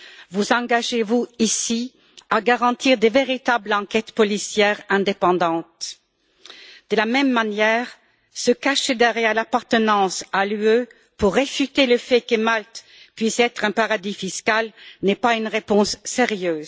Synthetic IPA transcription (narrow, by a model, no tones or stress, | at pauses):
vuzɑ̃ɡaʒevuisi | aɡaʁɑ̃t̪iʁd̪eveʁit̪ablɑ̃kɛt̪pɔlisjɛʁɛ̃d̪epɑ̃d̪ɑ̃t̪ | d̪̥əlamɛmːanjɛːʁ | səkaʃed̪ɛʁjɛʁlapaʁt̪ənɑ̃salyø | puʁːefyt̪eləfɛkəmalt̪ | pɥisɛt̪χɛ̃paʁad̪ifiskalnɛpaynʁepɔ̃sːeʁjøːz